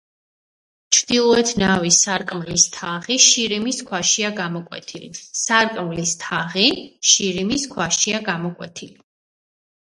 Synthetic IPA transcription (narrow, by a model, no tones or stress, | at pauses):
t͡ʃʰɾd̪̥ilˠɔɛt̪ʰnavisaɾkʼmlist̪ʰaʁiʃiɾimiskʰwaʃiaɡamɔkʼwɛ̰t̪ʰilḭsaɾkʼmlist̪ʰaʁiʃiɾimiskʰwaʃiaɡamɔkʼwɛ̰t̪ʰili